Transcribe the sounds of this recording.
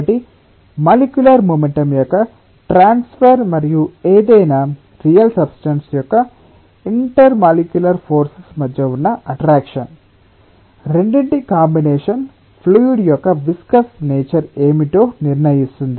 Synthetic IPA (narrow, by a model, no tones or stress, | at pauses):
ɐʈi | maːlikjulɐɾmumeɳʈɐmjɔkːɐ | ʈɾaːnspʰɐɾmɐɾijueːd̪ɐjna | ɾijɐlsɐbsʈɐnsjɔkːɐ | iɳʈɐɾmaːlikjulɐɾpʰoːɾsismɐd̪jɐunːɐɐʈɾaːkʂɐn | ɾeɳɖiɳʈikaːmbineːʂɐn | pʰluːjiɖjɔkːɐʋiskɐsneːt͡ʃɐɾeːmiʈo̞ːniɾnɐjist̪und̪i